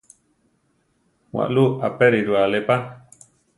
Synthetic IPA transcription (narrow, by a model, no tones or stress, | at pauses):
wa̰ʔluapeɾiɾualepa